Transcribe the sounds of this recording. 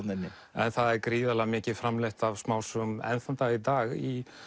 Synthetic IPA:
t̪nɛnnɪ | ɛnθaðɛɾkɾiːðalɛamɪːcɪfɾamleht̪avsmaːwsʏmɛ̰nθant̪ait̪aːɣi

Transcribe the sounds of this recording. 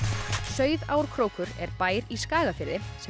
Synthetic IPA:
sœːɥðaːwɾ̥kʰɾoːwkʏɾɛɾpaːjɾiskaːɣafɪɾðɪs

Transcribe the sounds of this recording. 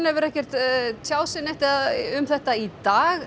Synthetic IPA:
nɛvɪɾɛhcɛr̥t̪t̪ʰjaːwsɪnɛht̪ɪaʏmθɛht̪ait̪aːɣ

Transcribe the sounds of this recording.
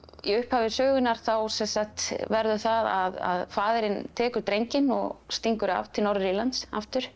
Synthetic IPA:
ḭʏhphavɪsœːɣʏnaɾ̥θawsɛnsaxt̪vɛɾðʏθaðaða̰ðfaːðɪɾɪnt̪ʰɛːkʏɾt̪ɾejɲcɪnɔ̰ɣst̪iŋkʏɾa̰v̥t̪ʰɪlnɔwɾɪɾilant̪saft̪ʏɾ̥

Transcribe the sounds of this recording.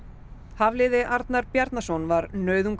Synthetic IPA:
havlɪːðɪʔaɾt̪naɾpjaɾt̪nasɔnvaɾnœːɥðʏŋk

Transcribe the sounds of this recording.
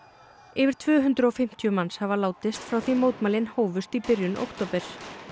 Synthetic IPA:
ɪvɪɾ̥t̪ʰvœːɦʏnt̪ɾʏɔfɪm̥t̪ʰjʏmanshavalaːwt̪ɪst̪fɾawθimoːwt̪malɪnhoːwvʏst̪ipɪɾjʏnʔo̰wkt̪oːpɛɾ̥

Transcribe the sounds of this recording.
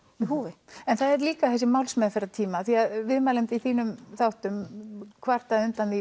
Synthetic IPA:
iɦuːvɪɛnθaðɛɾliːkaθɛsːɪmawlsmɛðfɪɾat̪ʰiːmaθiaðvɪðmaːlɪmt̪iθiːnʏmθawht̪ʏmkʰvar̥t̪aðʏnt̪anði

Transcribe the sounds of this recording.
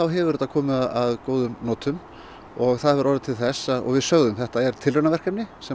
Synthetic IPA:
awɦɛvʏɾʏt̪akʰɔːmɪðaaðkoːwðʏmnɔːt̪ʏm | ɔɣθaðɛvʏɾɔːɾɪt̪ʰɪlθɛsːaðɔ̰ɣvɪðsœɣðʏmθɛht̪aɛɾ̥t̪ʰɪlɾœnavɛr̥kɛmnɪsɛ

